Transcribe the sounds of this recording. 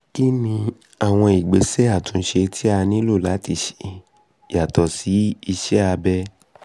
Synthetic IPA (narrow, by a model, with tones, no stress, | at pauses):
ki˦nĩ˧ | a˨w̃ɔ̃˧i˨ɡ͡be˨˦se˦a˦˨tũ˨˧n̩˦ʃe˧tʰi˦a˧nĩ˦lo˦˨la˨˦ti˦˨ʃi̥˨ | ja˨tɔ˨si˨˦i˧ʃɛ˦a˧bɛ˦